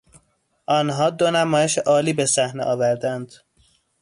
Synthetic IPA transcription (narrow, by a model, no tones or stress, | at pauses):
ʔɒːnɦɒːd̪o̞næmɒːjeʃeʔɒːliːbesæhneʔɒːvæɾd̪ænd̪̥